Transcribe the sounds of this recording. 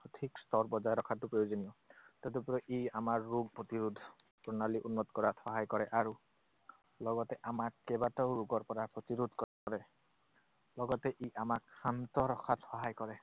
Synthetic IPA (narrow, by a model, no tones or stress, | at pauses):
tʰikstɔɹbɔzajɾɔkʰatːʊpɹojozɔniɔtɛtepɔɹɔʔeamaɹːuɡ̚pɹotiɹud̪ʱ | pɔɹnaliʔunːɔtkɔɹatxɔɦajkɔɹɛʔaɹu | lɔɡɔtɛʔamakkɛbataʊɹuɡɔɹpɔɹapɹɔtiɹud̪ʱkɔ | ɔɹɛ | lɔɡɔtɛʔeamakʰantɔɹɔxʰatxɔɦajkɔɹɛ